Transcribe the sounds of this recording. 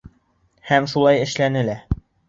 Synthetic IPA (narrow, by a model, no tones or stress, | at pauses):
hæmʃulˠɑjɘ̆ʃlænɘ̆læ